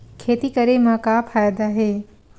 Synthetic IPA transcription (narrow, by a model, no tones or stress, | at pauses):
kʰeːt̪ikɐɾemɐkapʰaːjd̪aɦeː